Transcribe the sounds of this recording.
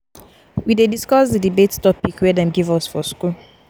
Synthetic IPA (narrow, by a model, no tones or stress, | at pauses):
widediskɔsðədibetstɔpikwɛdɛ̃mɡivɔsfɔskul